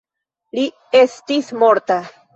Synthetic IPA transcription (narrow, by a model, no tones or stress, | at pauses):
li | e̞stismo̞ɾt̪a